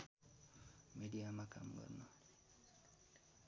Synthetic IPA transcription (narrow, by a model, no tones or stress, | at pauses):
meɖijamaka̰mɡʌ̰rnʌ